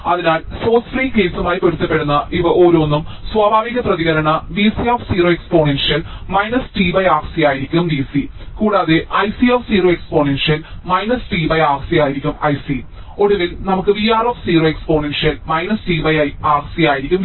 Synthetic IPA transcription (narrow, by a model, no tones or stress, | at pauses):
ɐðinaːlso̞ːsfriːke̞ːsumaːjikoɾut̪ːɐpːe̞ɽunːɐʔiʋɐʔoːɾoːnːumswaːbʱaːʋiɣɐprɐðiɣɐɾɐɳɐʋiːsioːfsiːroːekspo̞ːnenʂjɐlmɐjnɐsʈiʋɐjaːrsijaːjiɾikʲːumʋisikuːɽaːðeʔɐjsioːfsiːroːekspo̞ːnenʂɐlmɐjnɐsʈiʋɐjaːksijaːjiɾikʲːumɐjsi | o̞ɽuʋilnɐmukːɨʋiːaːroːfsiːroːekspo̞ːnenʂijɐlmɐjnɐsʈiːʋɐjɐjaːrsijaːjiɾikʲːum